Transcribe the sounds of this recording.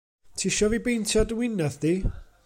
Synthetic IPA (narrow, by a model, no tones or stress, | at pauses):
tʰiːʃɔvibejntʰjadwɪnɛðdiː